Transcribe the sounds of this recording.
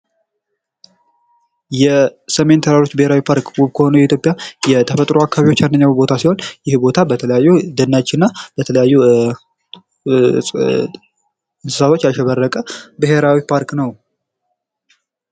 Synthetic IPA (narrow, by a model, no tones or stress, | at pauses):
jɛsəme̞nt̪ʰəɾaɾo̞t͡ʃːbɨhe̞ɾawipʰaɾkwuβkʰəho̞nujɛit̪ʰjopʼjajɛt̪ʰəfət̪ʼɾoakʰːaβiwo̞t͡ʃːjandəɲːawbo̞t̪ʰasiho̞njɪhbo̞t̪ʰabət̪ʰələjajːud̪ənːat͡ʃːɪnːab̥ət̪ʰələjajːu | ɨnsɨ̥sat̪ʰot͡ʃːjalʃɛβərːəkʼəbɨɦe̞ɾawipʰaɾknəw